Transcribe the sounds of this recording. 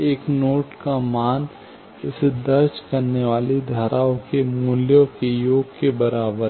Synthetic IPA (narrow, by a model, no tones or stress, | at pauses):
eːknoːʈkamaːn | ɪsed̪ɐɾd͡ʒkɐɾneʋaːlid̪ʱaːɾʔaːõkemʊljõkejoːɡɡkebɐɾaːbəɾ